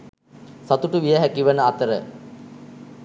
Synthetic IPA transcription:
sat̪uʈuʋijəɦækiʋənəɐt̪əɾə

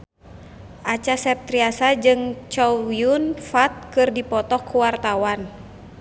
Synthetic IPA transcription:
ʔat͡ʃasɛp̚t̪ɾiasad͡ʒɨŋt͡ʃɔwiunfat̪̚kɨrdipɔt̪ɔkuwart̪awan

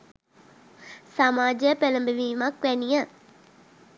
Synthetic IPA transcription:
samaːd͡ʒepelə̃mbəʋiːmãkʋɛːnijãː

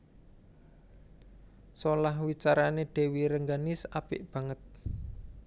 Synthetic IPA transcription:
solaɦwit͡ʃaɾaneɖ̪̥e̤wiɾəŋɡanɪsapɪ̰ʔb̥ä̤ŋət̪̚

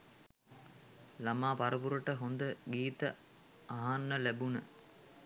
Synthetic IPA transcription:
lamaːpaɾəpuɾəʈəɦond̪əɡiːt̪ə | aɦanːəlæbunə

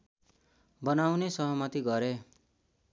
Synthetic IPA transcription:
bʌnawnesʌɦʌmʌt̪iɡʌɾe

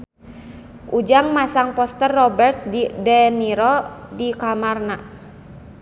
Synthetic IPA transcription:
ʔud͡ʒaŋmasaŋpɔst̪ərːɔbɛrt̪̚didɛniɾɔdikamarnaʔ

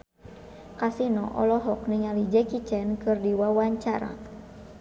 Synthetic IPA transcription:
kasinɔʔɔlɔɦɔk̚niŋalid͡ʒɛkit͡ʃɛnkɨrdiwawaɲt͡ʃaɾa̰

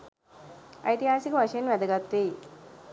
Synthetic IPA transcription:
ə̰jt̪iɦasikʋaɕenʋɛd̪əɡat̪ːe

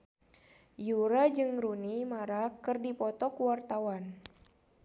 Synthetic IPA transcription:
juɾad͡ʒɨŋɾunimaɾakɨrdipɔt̪ɔkuwart̪awan

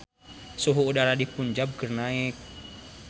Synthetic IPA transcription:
suɦuːdaɾadipuɲd͡ʒab̚kərnaɛk̚

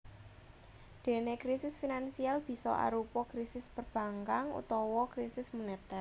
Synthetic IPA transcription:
d̪̥e̤nekɾisɪsfinansialb̥i̤sɔ̰ʔa̰ɾupɔkɾisɪspərb̥ä̤ŋkaŋṵt̪ɔwɔkɾisɪsmunet̪ɛr

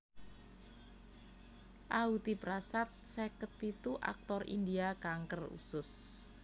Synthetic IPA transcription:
ʔaut̪ipɾasat̪̚sɛkət̪̚pit̪uʔa̰k̚t̪ɔrḭnd̪iakaŋkərṵsʊs

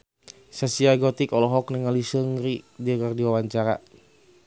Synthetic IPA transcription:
sasiaɡɔt̪ikɔlɔɦɔknəŋalisəŋɾidikərdiwawaɲt͡ʃaɾa

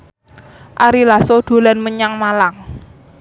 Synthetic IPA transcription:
ʔaɾilasoɖ̪̥o̤lanməɲaŋmalaŋ

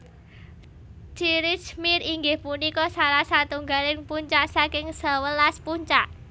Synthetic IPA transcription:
t͡ʃiɾɪt͡ʃmiɾiŋɡɪhpunikɔsalasat̪uŋɡalɪnpuɲt͡ʃaʔsakɪŋsawəlaspuɲt͡ʃaʔ

